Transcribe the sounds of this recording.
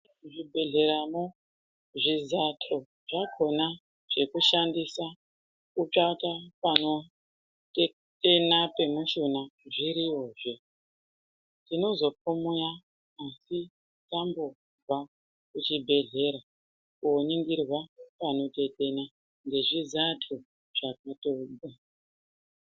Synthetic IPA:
ʐibʱe̞ɮe̞ɾamo | ʐizatʰo̞ | ʐakʰo̞na | ʐ̥e̞kuʃandisa | kut͡ʂatapano̞ | te̞ | te̞nape̞muʃunaʐiɾiwo̞ʐe | tino̞zo̞p̚omujaː | si | tambo̞ | va | kut͡ʃibʱe̞ɮe̞ɾa | kuoniŋɡirwapano̞te̞te̞na | ŋɡe̞ʐizatʰu | ʐ̥ak̚ato̞ɗa

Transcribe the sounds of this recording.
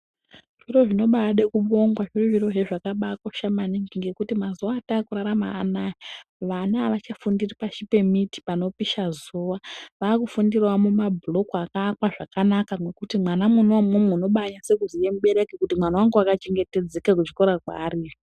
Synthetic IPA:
ʐ̥iro̞ʐino̞ɓaɗekuɓo̞ŋɡwaʐiriʐiro̞ʐeʐakaɓakwaʃamaniŋɡiŋɡe̞kutimazuwaːtaːkuɾaɾamaːnaiʋanaːʋat͡ʃafundiripaʃipe̞miti̥pano̞piʃazuʋaʋaːkufundirawamumabʱulo̞kuakaːkwaʐakanakaŋwekutimwanamunomumeuno̞ɓaɲase̞kuzijemuɓe̞ɾekekutimwanawaŋɡuakat͡ʃe̞ŋɡe̞te̞d͡zekak̬ut͡ʃi̥ko̞ɾakwa̰ːriːʐi

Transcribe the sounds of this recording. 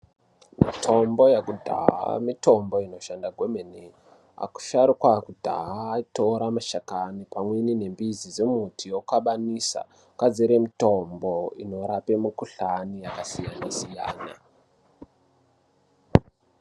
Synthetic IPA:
mitʰo̞mbo̞jekudʱa̰ɦa̰mito̞mbo̞ino̞ʃandaɡʱemene | a̰ku̥ʃaɾukwakudʱa̰ɦaːito̞ɾamaʃakanipamwenine̞mbizid͡zemutʰijokaɓanisa̰ | kwad͡zeɾemito̞mboḭno̞ɾapemukuɬanijakasijanasija̰ːna̰

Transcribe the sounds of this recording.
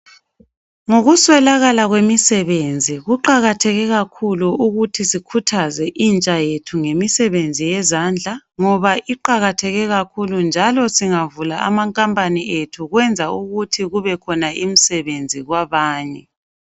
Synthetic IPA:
ŋoɣuswɛlaɣalaɣwemisɛβend͡zʱiɣuǃaɣatʰɛɣɛɣakʰuluuɣutʰisikʰutʰazɛʔint͡ʃʼajetʰuŋemisɛβend͡zʱijɛzand͡ɮʱaŋɔβaʔiǃaɣatʰɛɣɛɣakʰulund͡ʒʱalɔsiŋavulaa̰maŋkʼampʼaniʔetʰuɣwɛnd͡zʱauɣutʰiɣuβɛkʰɔnaʔim̩sɛβend͡zʱiɣwaβaːɲɛ

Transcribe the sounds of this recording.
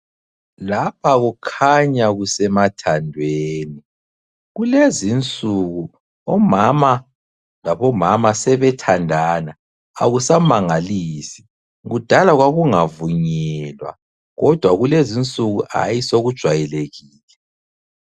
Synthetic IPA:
lapʰaɣukʰaɲaɣusɛmatʰandʱweːni | ɣulezint͡sʼuɣu | ɔmama | laβɔmamasɛβɛtʰandʱanaː | ɣusamaŋalisi̥ | ɣud̥ʱalaɣwaɣuŋavuɲɛlwa̰ | ɣɔd̥ʱwaɣulezint͡sʼuɣuʔa̰jisoɣud̥ʒ̥ʱwajɛleɣiːlɛ

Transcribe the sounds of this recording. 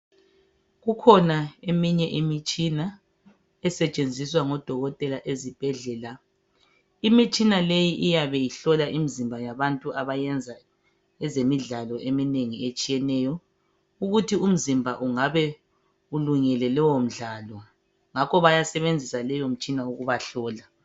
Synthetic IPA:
ɣukʰɔnaemiɲɛʔimit͡ʃʼina | ɛsɛt͡ʃʼend͡zʱiswaŋɔd̥ʱɔɣɔtʼɛlaʔezib̥ʱɛɮɛːla | imit͡ʃʼinalejiʔijaβɛjiɬɔlaʔimizimbʱajaβantʼuʔaβajɛnd͡zʱa | ɛzemiɮalɔʔemineŋiet͡ʃʼijɛnɛjɔ | uɣutʰium̩zimbʱaʔuŋaβɛ | uluŋɛlɛlɛwom̩ɮaːlɔ | ŋakʰɔβajasɛβend͡zʱisalɛjom̩t͡ʃʼinauɣuβaɬɔːla

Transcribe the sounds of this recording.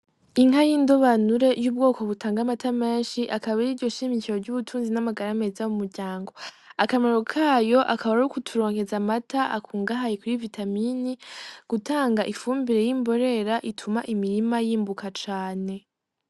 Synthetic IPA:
iŋ̥ajindo̞βanuɾe̞juːb̚ɡo̞ːko̞βutaːŋɡamatame̞ːnʃiʔakaβaɾiːɾɟo̞ʃiːmiciɾo̞ɾɟuβutʰuːnzinamaɡaɾame̞zaumuɾɟaːŋɡo̞ | akamaɾokʰaːjo̞ʔakaβaɾukutʰuɾo̞ːŋhe̞zamatʰaʔakʰuːŋɡaɦajekuɾivitaminiɡ̥utʰaːŋɡaʔifuːmbiɾe̞jimbo̞ɾe̞ɾaʔitʰumaʔimiɾimajiːmbukat͡ʃaːne̞

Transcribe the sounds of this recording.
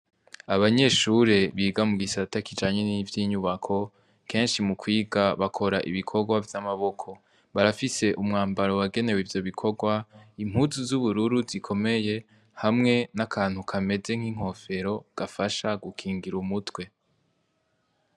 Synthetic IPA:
aβaɲe̞ʃuɾe̞βiːɡamuɡisatakid͡ʒaːɲe̞nivjiːɲuβakʰo̞ | kʰe̞ːnʃimukwiːɡaβakʰo̞ɾaʔḭβikʰo̞ɡwavjamaβo̞kʰo̞ | βaɾafise̞ʔumŋaːmbaɾo̞waɡe̞ne̞wivjo̞βikʰo̞ɡwaim̥huzuzuβuɾuɾuzikʰo̞me̞je̞ | hamŋe̞nakʰaːn̥hukʰame̞ze̞ŋ̥hiːŋ̥ɦo̞fe̞ɾo̞ɡ̥afaʃaɡukʰiːŋɡiɾumutwe̞

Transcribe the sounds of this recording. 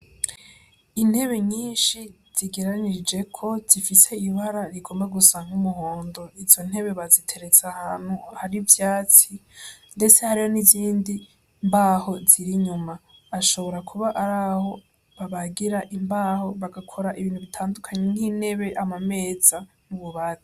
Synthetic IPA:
in̥he̞βe̞ɲiːnʃi | z̥iɡe̞ɾaɲid͡ʒe̞kʰo̞zifise̞iβaɾaɾiɡo̞ːmbaɡusaːŋumuɦo̞ːndo̞izo̞n̥he̞βe̞βazitʰe̞ɾe̞t͡sahaːn̥huhaɾivjaːt͡sinde̞t͡se̞haɾiho̞niziːndi | mbaho̞z̥iɾiɲumaːʃo̞βo̞ɾakʰuβaʔaɾaho̞ | βaβaɡiɾaʔimbaːho̞βaɡakʰo̞ɾaʔiβiːnhuβitʰaːndukʰaɲen̥hin̥he̞βe̞ʔamame̞ːd͡za | nuβuβazi

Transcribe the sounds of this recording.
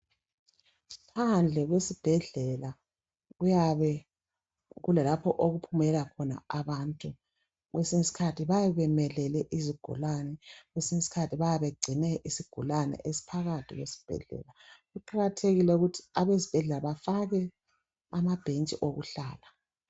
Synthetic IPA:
pʰand͡ɮʱɛɣwesib̥ʱɛɮɛla | ɣujaβɛ | ɣulɛlapʰɔʔoɣupʰumɛlakʰɔna̰aβantʼu | ɣwesiŋisi̥kʰatʰiβajɛβɛmɛlɛlɛʔiziɡ̥ʱṵlanɛɣwesiŋisi̥kʰatʰiβajaβeɡ͡ǀʱinɛʔisiɡ̥ʱṵlanɛ̰ʔesi̥pʰaɣatʰiɣwḛsi̥b̥ʱɛ̰ɮɛ̰ːlaɣuǃaɣatʰeɣilɛuɣutʰi̥aβezi̥b̥ʱɛɮɛlaβafaɣɛ | amab̥ʱent͡ʃʼḭʔoɣṵɬaːla

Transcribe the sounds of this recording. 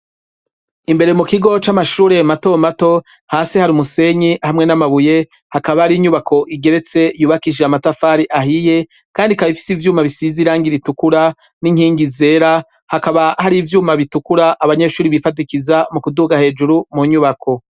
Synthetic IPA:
imbe̞ɾemukiɡo̞t͡ʃamaʃuːɾe̞mato̞mato̞ | haːsihaɾiumuse̞ɲihamŋe̞namaβuje̞ | hakaβahaɾiɲuβakʰo̞ʔiɡe̞ɾe̞t͡se̞juːβakiʒeamatafaːɾiʔaɦije̞ | kaːndikaβifi̥sivjuːmaβisiziɾaːŋɡiɾitukuɾa | niŋ̥hiːŋɡize̞ːɾa | hakaβahaɾivjuːmaβitukuɾaʔːβaɲe̞ʃuːɾiβifat̬ikizamukuduɡahe̞ːd͡ʒuɾumuɲuβakʰo̞

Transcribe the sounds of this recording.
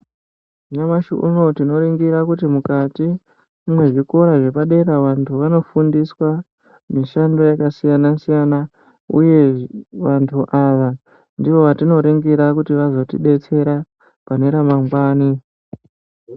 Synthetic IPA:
ɲamaʃuʔṵno̞tino̞ɾeŋɡiɾakutimukati | umwe̞ʐiko̞ɾaʐe̞paɗe̞ɾaʋantʰuʋano̞fundiswa | miʃando̞jakasijanasijana | ṵje̞ʋantʰuʔaʋa | ndiʋo̞ʋatino̞ɾeŋɡiɾakutiʋazo̞tḭɗe̞t͡se̞ɾa | pane̞ɾamamɡwaːni

